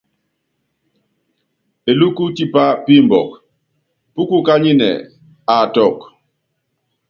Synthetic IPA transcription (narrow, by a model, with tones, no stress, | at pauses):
e˨lu˦ku˦ti˦pa˦pi˦mbɔ̰˨k | pu˦ku˦ka˦ɲi˦nɛ̰˨ | a˨tɔ˦˨k